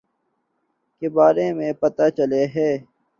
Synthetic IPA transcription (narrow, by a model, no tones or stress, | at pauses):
kebaːɾemẽːpɐt̪at͡ʃəleɦɛː